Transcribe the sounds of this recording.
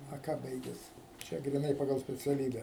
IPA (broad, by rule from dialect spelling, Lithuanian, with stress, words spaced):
ɐ ˈkɑː ˈbɐɪɡʲɛs ˈt͡ʃʲɛ ɡrʲiːˈnɐɪ pɐˈɡɐlˠ sʲpʲɛt͡sʲɛˈlʲiːbʲɛ